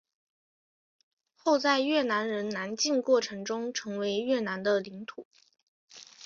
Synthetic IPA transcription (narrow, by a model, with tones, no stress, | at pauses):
xo˥˧ʊt͡sa˥˧ɪɥɛ˥˩na˧˥nɻə˧˥nna˧˥nt͡ɕi˥˧nkwɔ˥˩ʈ͡ʂʰɤ˧˥ŋʈ͡ʂʊ˥ŋʈ͡ʂʰɤ˧˥ŋwe˧˥ɪɥɛ˥˩na˧˥nd̪ə˧li˧˥ŋt̪ʰu˨˩˦